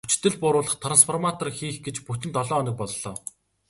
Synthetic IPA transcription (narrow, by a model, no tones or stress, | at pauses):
ut͡ɕt̪ːɘ̆ɮpʊɾʊːɮə̆χt̪ʰransfʰɔrmat̪ɔ̆rxiːxɡet͡ɕput̪ʲɘ̆nt̪ɔɮɔːnɞ̆k̚pɔɮːɔː